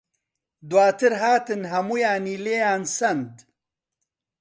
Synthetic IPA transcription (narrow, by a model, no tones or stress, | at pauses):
d̪waːt̪ʰɨɾɦaːt̪ɨnɦɐmujaːniːleːjaːnsɐnd̪